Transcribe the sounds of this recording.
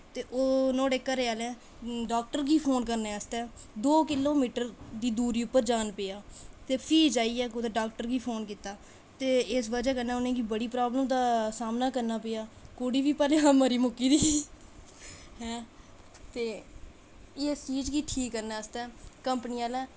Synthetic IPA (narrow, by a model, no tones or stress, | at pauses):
t̪eːʔoːnõːɽeːkːəɾeːaːlɛː | ɖaːk̚ʈəɾɡiːpʰoːnkəɾneːəst̪ɛːd̪oːkɪloːmiːʈəɾd̪iːd̪uːɾiːʊpːəɾd͡ʒaːnpeːjaːt̪eːpʰiːd͡ʒaːiːɛːod̪eːɖaːk̚ʈəɾɡiːpʰoːnkiːt̪aː | t̪eːɪsʋəd͡ʒɛːkəɾnɛːʊnẽːkiːbəɽiːpɾaːbləmd̪aːsaːmnaːkəɾnaːpeːaːkoːɽiːʋiːpɛːleːɦãːməɾiːmʊkːiːd̪iː | ɦɛ̃ː | t̪eː | eːst͡ʃiːd͡ʒɡiːʈʰiːkːəɾnɛːəst̪ɛːkəmpniːaːlɛː